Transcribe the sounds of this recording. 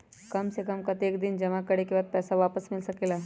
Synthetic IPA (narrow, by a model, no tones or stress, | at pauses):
kɐmsekəmkɐt̪eːkd̪ɪnd͡ʒɐmakɐɽekebaːd̪̚pɛːsaʋaːpəsmɪlsɐkeːlaː